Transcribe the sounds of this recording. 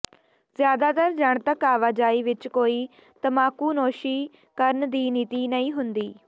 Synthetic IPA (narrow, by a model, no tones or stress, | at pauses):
zjaːd̪aːt̪əɾd͡ʒəɳt̪əkaːʋaːd͡ʒaːiːʋɪt͡ʃkoːiː | t̪əmaːkuːnoːʃiː | kəɾnd̪iːniːt̪iːnəĩːɦʊnd̪iː